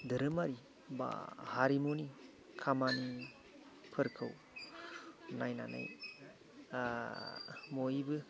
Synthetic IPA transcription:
dɯɾɯmaɾi | ba̰haɾimoni | kʰamani | pʰɯɾkʰɯw | najna̰na̰j | mojbɯ

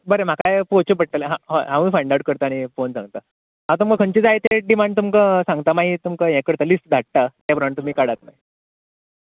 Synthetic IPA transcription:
bəɾem̤akajpot͡ɕup̬əʈʈəlɦãɦaɦãmĩːfəɳɖawɽ̚kəɾt̪aːɽ̃ifonsãŋɡt̪a | ɦat̪umkəkʰəɳt͡ɕiːd͡zajet̪eɖimaɳɖ̚t̪umkəsãŋɡt̪amaɦit̪umkəjɛ̃kəɾt̪alisʈ̚d̪ʱaʈ̪̚ːat̪jabʱəɾaɳt̪um̤iːkaɽat̪na̰j

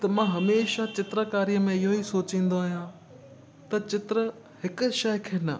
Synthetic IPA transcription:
t̪ɐmãːɦɐmeːʃat͡ɕɪt̪ɾəkaːɾijəmẽɪɦoisoːt͡ɕĩːnd̪oaːɦijãː | t̪ɐt͡ɕɪt̪ɾə | hɪkʊ̆ʃɐjkʰeːnɐ

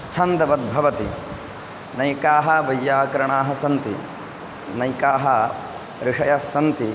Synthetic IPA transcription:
t͡ʃʰɐnd̪ɐʋɐd̪̚bʱɐʋɐt̪i | nɐjkaːɦɐʋɐjːaːkɐɾɐɳaːɦɐsɐnt̪ḭ | nɐjkaːɦɐ | ɾɪʂɐjɐsɐnt̪i

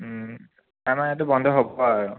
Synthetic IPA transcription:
amanɛt̬ʊbɔndʱɔɦobɔaɹʊ

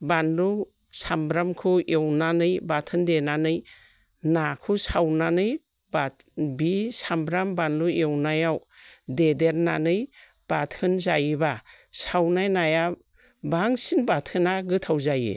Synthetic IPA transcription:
banlu | sambɾamkʰuʔewnanɯjbatʰɯndenanɯj | nakʰusawnanɯj | ba | bisambɾambanluewnajawdedeɾnanɯj | b̥atʰɯnzajba | sawnajnaja | baŋsinbatʰɯnaɡɯtʰawzajɯ̰

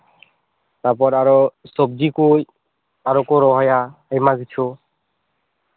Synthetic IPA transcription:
t̪aɾpɔɾaɾosɔb̚dikoj | aɾokoɾɔɦɔjaajmaɡit͡ɕʰo

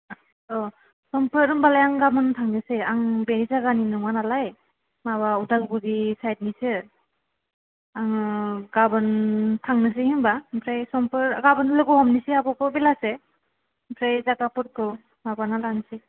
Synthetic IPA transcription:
ɔ | sɔmpɯɾɯmbalajaŋɡabɯntʰaŋnɯsɯaŋbenizaɡaninɯŋanalaj | maβaudalɡudisajt̚nisɯ | aŋɡabɯntʰaŋnɯs̬ɯhimbapʰɾajsɔmpɯɾɡabɯnlɯɡɯhɔmnisiabɔkɯbelase | pʰɾajzaɡapɯɾ̚kʰɯ | mabanalanisi

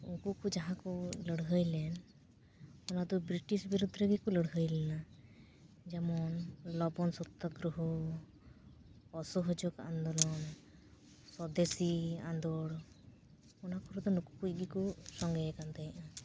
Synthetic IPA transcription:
uŋkukud͡ʒaɦãkuləɽɦəjlɛn | ɔnad̪ɔbɾiʈisbiɾud̪ʱɾeɡikuləɽɦəjlɛna | d͡ʒɛmɔnlɔbɔnsɔt̪ːɔɡɾuɦɔ | ɔsɔɦɔd͡ʒɔɡa̰nd̪ɔlɔn | sɔd̪esia̰nd̪ɔɽ | ɔnakuɾɔd̪ɔnuku̥kuc̚ˀɡikusɔŋɡɛɛkant̪ajʔa

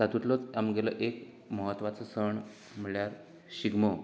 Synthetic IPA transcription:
sat̪ut̪lət͡samɡelə̰ʔek | məɦət̪ʋat͡səsəɳ | m̤əɭjaɾ | ɕiɡmə

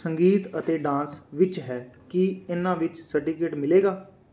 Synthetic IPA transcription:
səŋɡiːt̪ət̪eːɖãːsʋɪt͡ʃɦɛːkiɪnãːʋɪt͡ʃsəɾʈiːkeːʈmɪleːɡaː

